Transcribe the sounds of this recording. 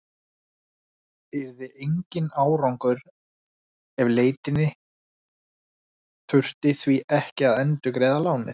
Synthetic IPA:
pɪɾðɪʔejɲcɪnaːwɾawŋkʏɾ | ɛvleːjt̪ɪnːɪ | θʰʏr̥t̪ɪθviʔɛhcɪaðœnt̪ʏkɾeːðalaːwnɪ̰θ

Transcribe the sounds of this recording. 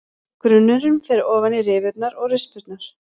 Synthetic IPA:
kɾʏnːʏɾʏmfɛɾɪɔːvanːɪrɪːvɪt̪̚naɾɔɣrʏspʏɾt̪naɾ̥

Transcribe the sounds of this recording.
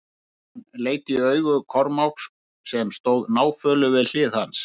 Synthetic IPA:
hanːleːjt̪ɪiœːɥɣʏkʰɔɾmawks | sɛmst̪oːwðnaːwfœːlʏvɪðl̥ɪːðhans

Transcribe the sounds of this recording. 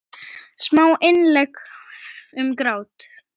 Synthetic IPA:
smaːwʔɪnlɛk | ʏmkɾaːwt̪

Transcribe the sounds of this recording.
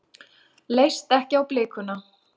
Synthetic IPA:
lejst̪ɛhcɪawplɪːkʏna

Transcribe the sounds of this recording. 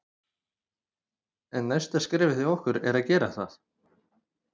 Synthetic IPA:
ɛnːajst̪askɾɪːvɪθiɔhkʏɾɛɾaðcɛːɾaθa̰θ

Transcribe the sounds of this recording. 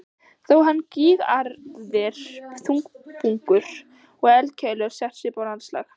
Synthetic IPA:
θowɦanːciːɣaɾðɪɾ̥θuŋkpʰuŋkʏɾ̥ | ɔɣɛlcʰɛjlœɾ̥sjɛht̪sɪpawlansla̰ːx

